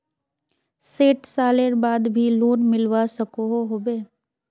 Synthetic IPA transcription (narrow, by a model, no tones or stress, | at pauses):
seːʈsaːleɾbaːd̪bʱiloːnmɪlʋasəkoɦoɦoːbeː